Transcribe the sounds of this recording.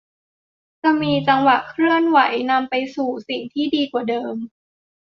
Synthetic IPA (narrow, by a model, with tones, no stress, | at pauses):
t͡ɕa˧˩miː˧t͡ɕa˧ŋwa˨˩ʔkʰɾɯ˥˩ənwa˩˦jna˧mpa˧jsuː˨˩si˨˩ŋt̪ʰiː˥˩diː˧kwaː˨˩dɤː˧m